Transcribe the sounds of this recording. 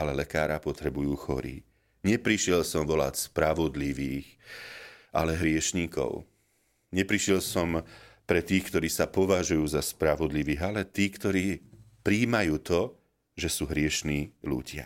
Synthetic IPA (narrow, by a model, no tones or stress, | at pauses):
alɛlɛkaːɾapɔt̪ɾɛbujuːxɔ̰ɾḭː | ɲɛpɾiʃɪɛlsɔmʋɔla̰cspɾaʋɔd̪liʋiːx | ʔalɛɦɾɪɛʃɲiːkɔ̰ʊ | ɲɛpɾiʃjɛlsɔmpɾɛt̪iːxkt̪ɔɾiːsapɔʋaʒujuːzaspɾaʋɔd̪liʋiːɣalɛt̪iːkt̪ɔɾiːpɾiːmajuːt̪ɔ | ʒɛsuːɦɾɪɛʃniːlṵɟɪa̰